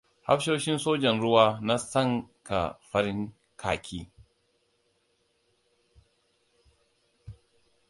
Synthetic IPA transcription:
ha̰˦ɸʃoː˦ʃɪ˦nsoː˦d͡ʒɐ˨nɾʊ˦waː˦na˦sɐ˦˨ŋka̰˨ɸɐ˦ɾɪ˦ŋ | kʰa̰ː˨kʰʲiː˦

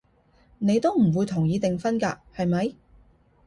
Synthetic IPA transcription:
ne˨˧jt̪o˥wm̩˨˩wuː˨˧jt̪ʰʊ˨˩ŋjiː˨˧t̪ɪ˨ŋfɐ˥nkaː˧hɐ˨jmɐ˨˥j

